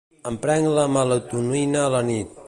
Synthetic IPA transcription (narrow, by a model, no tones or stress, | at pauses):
əmpɾɛŋləmələt̪unuinəːlənit̪̚